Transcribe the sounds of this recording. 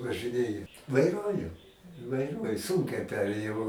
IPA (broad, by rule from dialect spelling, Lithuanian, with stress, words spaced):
ʋɐʒɨˈnʲeːjɛ ʋɐɪˈruɔjʊ ʋɐɪˈruɔjʊ ˈsuːŋʲkʲɛɪ ˈpʲæːrʲeːjɛʊ